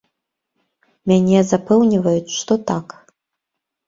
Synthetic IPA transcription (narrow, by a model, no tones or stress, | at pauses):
mʲanʲɛzapɛwnʲivɐjut͡sʲʂt̪ɔt̪ak